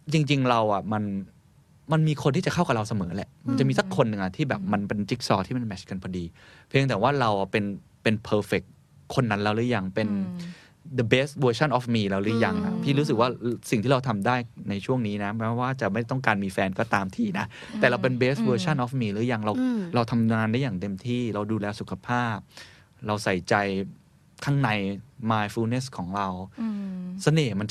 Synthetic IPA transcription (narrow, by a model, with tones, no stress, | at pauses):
t͡ɕi˧ŋt͡ɕi˧ŋɾa˧wʔa˨˩ma˧n | ma˧nmiː˧kʰo˧nt̪ʰiː˥˩t͡ɕa˨˩kʰa˥˩wka˨˩ɾa˧wsa˧mɤː˩˦lɛ˨˩ʔma˧nt͡ɕa˨˩miː˧sa˨˩kʰːo˧nːɯ˨˩ŋʔa˨˩t̪ʰiː˥˩bɛː˨˩p̚ma˧npe˧nt͡ɕi˦˥k̚sɔː˧˩t̪ʰiː˥˩me˧nmɛ˨˦˩ka˧nkʰɔ˧diː˧pʰi˧ət̪ɛː˨˩waː˥˩ɾa˧wa˩pe˧n | pe˧npʰɤː˧fe˨˩kʰː | o˧nːa˦˥nla˧wɾɯ˦˥ja˧ŋpe˧n | d̪ə˧be˦˥st̪̚wɤː˧t͡ɕʰa˥˩nʔɔː˨˩fmiː˧ɾa˧wɾɯ˦˥ja˧ŋʔa̰˨˩pʰiː˥˩ɾuː˦˥s̬ɯ˨˩k̚waː˥˩si˨˩ŋt̪ʰiː˥˩ɾa˧t̪ʰa˧mdaː˥˩jna˧jt͡ɕʰu˥˩əŋniː˦˥na˦˥mɔ˦˥waː˥˩t͡ɕa˨˩ma˥˩jt̪ɔ˥˩ŋkaː˧nmiː˧fɛː˧nkɔː˥˩t̪aː˧mt̪ʰiː˧na˦˥ʔ | t̪ɛː˨˩ɾa˧wp̬e˧nbeː˦˥st̪̚wɤː˧t͡ɕʰa˥˩nʔɔː˧˥fmiː˧ɾɯ˦˥ja˧ŋɾa˧wɾa˧wt̪ʰa˧mŋaː˧nda˥˩jaː˨˩ŋt̪e˧mt̪ʰiː˥˩ɾa˧wduː˧lɛː˧su˨˩kʰa˧pʰaː˥˩p̚ | ɾa˧wsa˨˩jt͡ɕa˧j | kʰaː˥˩ŋna˧jmaː˧jfuː˧˦ne˦˥skʰɔː˩˦ŋɾa˧w | sa˧neː˨˩ma˧nt͡ɕ